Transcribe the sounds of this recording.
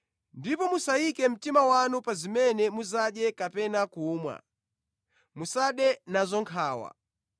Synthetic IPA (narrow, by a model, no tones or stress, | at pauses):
ndipɔmusaikɛm̩timawanupazimɛnɛmuzaɗjɛkapɛnakuːmwa̰ | musaɗɛnazɔŋkʰaːwa̰